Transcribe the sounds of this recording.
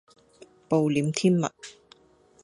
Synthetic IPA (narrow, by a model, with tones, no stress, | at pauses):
po˨wliː˨˥mt̪ʰiː˥nmɐ̰˨t̚